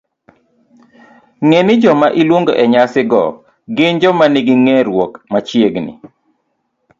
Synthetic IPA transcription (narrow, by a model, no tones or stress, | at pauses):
ŋenɪd͡ʒɔmaʔilwoŋɡoʔɛɲasɪɡɔ̰ | ɡɪnd͡ʒɔmanɪɡɪŋɛɾwokmat͡ʃjeɡnɪ̰